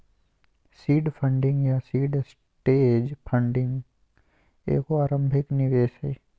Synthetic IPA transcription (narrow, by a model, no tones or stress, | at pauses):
siːɖpʰə̃ɳɖɪ̃ŋɡjasiːɖs | ʈeːd͡ʒpʰə̃ɳɖɪ̃ŋɡ | ḛːkoaːɾə̃mbʱɪknɪʋeːʃɦɛː